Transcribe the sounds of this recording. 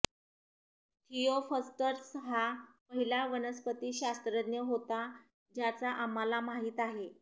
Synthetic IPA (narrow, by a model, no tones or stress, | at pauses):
t̪ʰijofəsʈəɾsɦapəɦilaʋənəspət̪iːɕast̪ɾəd̪njəɦot̪a | d͡ʑjat͡saʔamalamaɦiːt̪aɦe